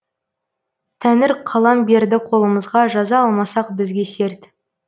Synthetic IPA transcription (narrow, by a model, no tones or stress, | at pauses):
t̪ʰænɪɾqʰɑlˠɑmbe̞ɾd̪ɪqʰo̞lˠəməzʁɑʒɑzɑɑlˠmɑsɑq̚bɪzɡʲe̞se̞ɾt̪